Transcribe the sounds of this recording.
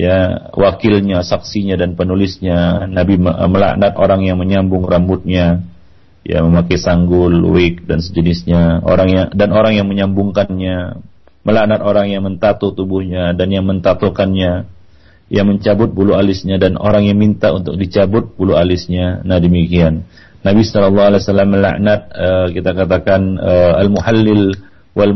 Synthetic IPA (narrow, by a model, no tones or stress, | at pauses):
jawʔakɪlɲasaksiɲadanpənulɪsɲanabiməla̰ʔnat̪oɾaŋjaŋməɲambʊŋrambʊt̪̚ɲa | ja̰məmakajsaŋɡʊlwɪk̚dansəd͡ʒənɪsɲao̰ɾaŋjaŋdanoɾaŋjaŋməɲambʊŋkanɲa | məlanat̪oɾaŋjaŋmənt̪at̪ut̪ubʊhɲadanjaŋmənt̪at̪ukanɲa | jaŋməɲt͡ʃabʊt̪̚bulualɪsɲadano̰ɾaŋjaŋmint̪aunt̪ʊ̰k̚dit͡ʃabʊt̪̚bulualɪsɲanadəmikianː | abisɔlɔlːɑhaleasalːamːəla̰ʔnat̪̚əkit̪akat̪akanəalmuhalːɪl | wal